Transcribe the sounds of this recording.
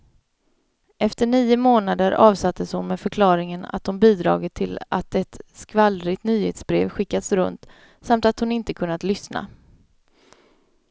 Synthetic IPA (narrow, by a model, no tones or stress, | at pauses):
ʔɛft̪əɳiːʊmoːnad̪əɾɑːvsat̪ʰːəshʊnmɛːfœɾkʰlɑːɾɪŋəna̰t̪̚d̪ʊmbiːd̪ɾɑ̰ːɡət̪ʰːɪla̰t̪ɛt̪skvalɾɪt̪nyːhḛːt̪sbɾeːvɧɪkːad̪sɾɵ̰nt̪ | samt̪at̪hʊnɪnt̪əkʰɵnːat̪lʏsna̰